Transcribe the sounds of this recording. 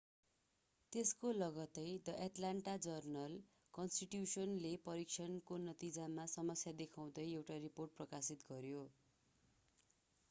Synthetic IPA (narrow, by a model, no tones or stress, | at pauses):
t̪eskolʌɡʌt̪ʌjd̪ʌʔaʈlaɳʈad͡zʌrnʌl | kʌnsʈiʈjusʌnlepʌɾik̚t͡sʰʌnkonʌt̪id͡zamasʌmʌsjad̪ekʰaw̃d̪ʌjewʈariporʈ̚prʌkasit̪ɡʌɾjo